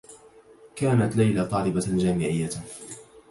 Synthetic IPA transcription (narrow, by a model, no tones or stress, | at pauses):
kaːnat̪lajlat̪ˤɑːlɪbad͡ʒaːmɪʕɪjːa